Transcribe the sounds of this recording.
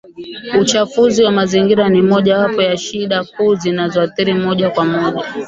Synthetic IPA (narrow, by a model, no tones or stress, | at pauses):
ut͡ʃafuziwamaziŋɡiɾanimɔʄawapɔjaʃiɗakuːzinazɔaθiɾimɔʄakwamɔʄa